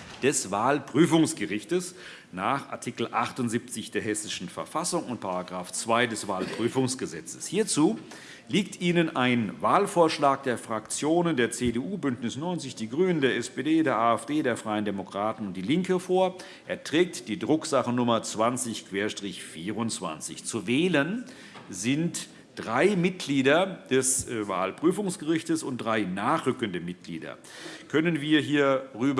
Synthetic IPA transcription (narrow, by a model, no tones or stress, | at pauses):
d̥ɛsvaːlpʁ̥yːfʊŋsɡ̥əʁɪçtəs | naːχʔa̰ɐtʰiːkl̩ʔaχtʊnzip̚t͡sɪçd̥eːɐɦɛsɪʃn̩fɛɐfasʊŋʊntpʰaʁaɡʁaːft͡sv̥aɪdɛsv̥aːlpʁ̥yːfʊŋsɡ̥əzɛt͡sə̥shiːɐt͡suː | liːk̚tʔiːnənʔaɪnvaːlfoːɐʃlaːk̚d̥eːɐfʁ̥akt͡sjoːnəndeːɐt͡seːdeːʔuːbʏntnɪsnɔʏnt͡sɪçd̥iːɡʁyːnəndeːɐɛspeːdeːdeːɐʔaːɛfd̥eːdɾeːɐfʁ̥aɪəndemokʁ̥aːtn̩ʊnt̚d̥iːlɪŋkəfoːɐ | ʔeːɐtʁ̥ɛːk̚td̥iːdʁʊkz̥aχənʊmɐt͡sv̥ant͡sɪçkʰv̥eːɐʃtʁ̥ɪçfiːʁʊnt͡sv̥a̰nt͡sɪ̰çt͡suvɛːlən | zɪnt | d̥ʁaɪmɪt̚ɡ̥liːdɐd̥ɛsva̰ːlpʁ̥yːfʊŋsɡ̥əʁɪçtəsʊnt̚d̥ʁaɪnaːχʁ̥ʏkəndəmɪt̚ɡ̥lḭːdɐ̰ | kʰœnənviːɐɦiːɐʁyːb